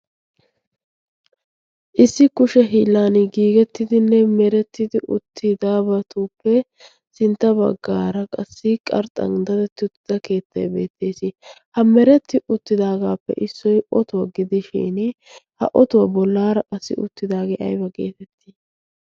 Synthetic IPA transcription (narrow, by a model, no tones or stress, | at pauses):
ʔɪsːɪkʊʃɛɦiːlːaːnɪɡiːɡɛt̪ːɪd̪ɪnːɛmɛɾɛt̪ːɪd̪ɪʔʊt̪ʰːɪd̪aːbɐt̪uːpːɛ | sɪnt̪ːɐbɐ̰ɡːaːɾɐkʼɐsːɪkʼɐɾt̪ʼɐ̰ŋd̪ɐd̪ɛt̪ːɪʊt̪ːɪd̪ɐke̞ːt̪ːɐ̰jbe̞̰ːt̪ʰːe̞ːsɪhɐmɛɾɛt̪ːɪʔʊt̪ːɪd̪aːɡaːpːɛ̰ʔɪsːɔjɔt̪ʊwɐɡɪd̪ɪʃɪ̰ːn | hɐ̰ʔɔt̪ʊwɐbɔlːaːɾɐkʼɐsːɪ̰ʊ̰t̪ːɪd̪aːɡeʔɐ̰jbɐkʼe̞̰ːt̪ɛt̪ːɪ̥